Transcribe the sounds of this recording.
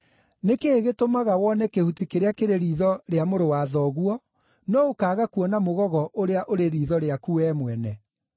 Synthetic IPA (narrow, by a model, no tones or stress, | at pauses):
nekeːɣetomaɣawɔnɛkehutikeɾeakeɾeɾiːðɔɾeamoɾowaðɔɣuɔ | nɔokaːɣakuɔnamoɣɔɣɔʔoɾeaʔoɾeɾiːðɔɾeakuɛmwɛnɛ